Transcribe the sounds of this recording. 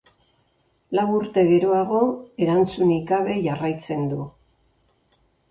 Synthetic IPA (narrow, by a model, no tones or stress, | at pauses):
lawuɾt̪e̞ɣe̞ɾo̞aɣ̞o̞e̞ɾant͡sunikaβ̞e̞ʝarajt͡se̞nd̪u